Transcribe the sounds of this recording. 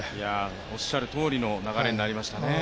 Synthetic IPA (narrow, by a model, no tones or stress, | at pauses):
ja | o̞ɕːaɾɯ̟t̪o̞ːɾʲino̞naɣaɾe̞ɲinaɾʲimaɕi̥t̪ane̞